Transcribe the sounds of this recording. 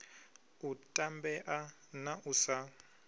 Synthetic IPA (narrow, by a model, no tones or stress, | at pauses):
utʼambɛʔa | naʔusa